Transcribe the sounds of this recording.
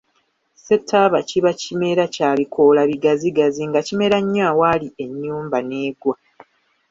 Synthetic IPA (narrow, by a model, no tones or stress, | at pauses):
se̞tʰːaβaciβacime̞ɾacaːβikʰo̞laβiɡaziɡaziŋɡacime̞ɾaɲːaːwaːlie̞ɲːuːmbane̞ːɡwa